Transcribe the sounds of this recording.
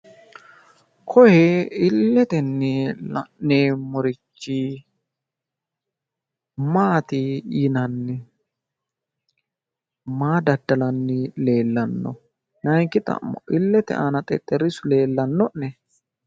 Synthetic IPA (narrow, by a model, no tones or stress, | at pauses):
kʰɔhɛɪlːɛt̪ɛnːɛlɐ̰nːemɔɾɪt͡ʃːi | maːt̪ɪjɪnɐnːɪ | maːd̪ɐd̪ːɐlɐnːɪle̞ːlːɐnːɔ̰ | nɐjŋkɪt̪ʼɐ̰ɔ̰ʔɪlːɛt̪ɛ̰ʔanɐt̪ʼɛ̰t̪ʼːɛɾɪsʊle̞ːlːɐnːɔnːɛ